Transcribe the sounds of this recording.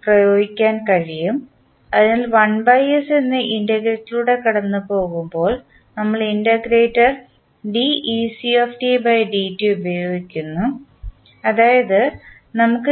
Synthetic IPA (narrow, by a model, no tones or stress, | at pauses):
prɐjo̞ːɡikʲːaːnkɐɻijum | ɐðinaːlʋɐnbɐjɐse̞nːɨʔindɐɡɾetːiluːɽe̞kɐɽɐnːɨpo̞ːɣumbo̞ːɭ | nɐmːɐɭindɐɡɾeːtːɐr | ɖiisiofʈibɐjɖiːtːɨubɐjoːɡikʲːunːu | ɐðaːjɐðɨ | nɐmukːɨ